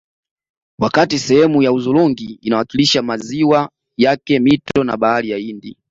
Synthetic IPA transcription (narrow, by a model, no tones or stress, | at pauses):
wakatisɛhɛmujauzuluŋɡiːnawakiliʃamaziwa | jakɛmitɔna̰ɓaalijaindi